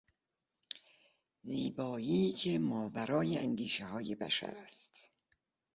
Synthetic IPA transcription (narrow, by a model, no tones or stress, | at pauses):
ziːbɒːiːcʰemɒːbæɾɒːjeʔænd̪iːʃehɒːjebæ̰ʃæ̰ɾæst̪